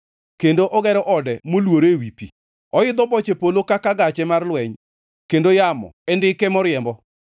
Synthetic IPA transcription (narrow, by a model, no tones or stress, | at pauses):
kendoʔɔɡɛɾɔʔɔdɛmolwoɾewipḭ | ɔɪd̪ɔbɔt͡ʃepolokakaɡat͡ʃɛmarlwɛɲ | kendojamɔ̰ɛndɪkɛmɔɾjɛmbɔ